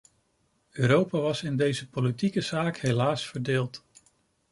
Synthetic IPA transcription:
øːɾowpaːʋɑsɪndejzəpolitikəz̥aːkhejlaːsfəɹdeːlˠt

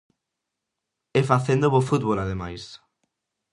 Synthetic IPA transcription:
efaθend̪oβofut̪̚βolað̞emajs

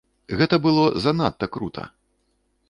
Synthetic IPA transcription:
ɣɛt̪ɐbɨlˠɔzɐnat̪ːɐkɾut̪ʰɐ̰

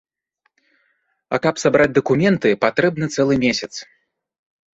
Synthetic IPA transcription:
ɐ̰kapsabɾad͡zʲd̪ɐkumʲɛnt̪ɨpat̪ɾɛb̚nɨt̪sɛlˠɨmʲesʲɐt̪s

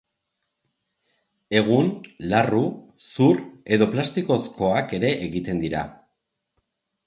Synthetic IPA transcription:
e̞ɣ̞unlaru | suɾe̞ðo̞plast̪iko̞skʰo̞ake̞ɾe̞ʔːɣit̪e̞nd̪iɾa̰

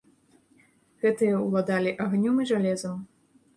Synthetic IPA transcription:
ɣɛt̪ɨjɐwlˠad̪alʲiʔaɣnʲɔmiʐalʲɛzɐm

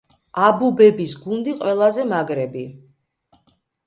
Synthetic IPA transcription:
abubɛbisɡund̪iqʼwɛlˠazɛmaɡɾɛbi

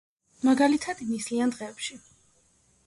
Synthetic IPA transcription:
maɡalit̪ʰad̪inisliand̪ʁɛːpʃi

